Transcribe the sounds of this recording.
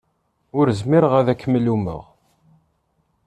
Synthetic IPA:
ʊɾəzmiɾəʁæðækːəmːəlumə̰ʁ

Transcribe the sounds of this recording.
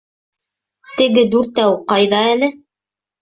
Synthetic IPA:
t̪ɘ̆ɡɘd̪ʉɾt̪æwqɑjðɑælɘ

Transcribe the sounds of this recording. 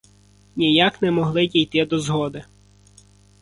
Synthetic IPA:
nʲijaknɛmɔɦlˠɪdʲijt̪ɪd̪ɔzɦɔd̪ɪ

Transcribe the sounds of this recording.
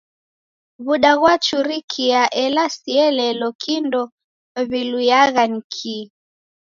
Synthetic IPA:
βuɗaɣwat͡ʃuɾikʰiaʔɛlasiɛlɛlɔkʰindɔ | βilujaɣanikʰi

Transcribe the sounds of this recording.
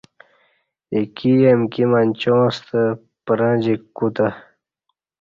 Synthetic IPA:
ikijemkimanʲt͡ɕõːst̪ə | pəɾãd͡ʑikːut̪a

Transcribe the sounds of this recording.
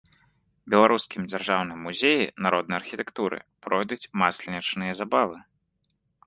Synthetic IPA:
bʲɛlˠaɾuskʲimd͡zʲarʐawnɨjmuzʲejḭnaɾʔɔd̪nɐjarxʲit̪ɛkt̪uɾɨ̰pɾɔjd̪ut͡sʲmaslʲɛnʲɐt͡ʂnɨjɐzabavɨ

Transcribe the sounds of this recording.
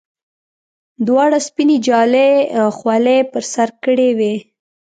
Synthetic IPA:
d̪wɑɽaspined͡ʒɑlexwalepəɾsaɾkəɽewe

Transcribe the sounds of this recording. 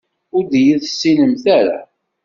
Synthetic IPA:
ʊɾd̪jiðsːinəmθæɾa̰

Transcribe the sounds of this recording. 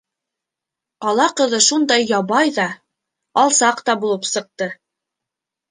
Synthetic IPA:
qɑlˠɑqɤ̆ðɤʃund̪ɑjːɑβɑjðɑ | ɑlˠsɑqt̪ɑbulˠɤpsɤ̆q̚t̪ɤ

